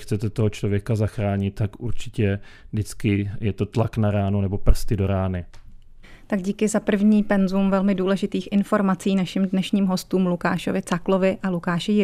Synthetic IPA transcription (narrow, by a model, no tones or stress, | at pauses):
t͡sɛt̪ɛt̪oɦot͡ʃlo̞vjɛkazaxɾaːɲɪt̪ːakʔuɾt͡ʃɪ̥cɛvdɪt͡skɪjɛt̪o̞t̪laknaɾaːnonɛbo̞pr̩st̪ɪdo̞ɾaːnɪ | t̪aɡɟiːkɪzapr̩vɲiːpɛnzumvɛlmɪduːlɛʒɪt̪iːxʔɪnfo̞ɾmat͡siːnaʃɪmdnɛʃɲiːmɦo̞st̪uːmluka̰ːʃo̞vɪt͡saklo̞vɪʔalukaːʃɪjɪ